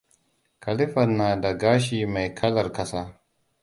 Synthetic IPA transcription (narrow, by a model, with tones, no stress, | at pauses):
kʰɐ˨lɪ˦ɸɐ˨nːaː˨da˨ɡaː˦ʃiː˨ma˨jkʰɐ˦lɐ˨rkɐ˦saː˦